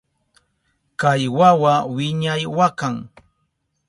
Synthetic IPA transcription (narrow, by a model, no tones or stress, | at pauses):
kajwawawɪɲajwakaŋ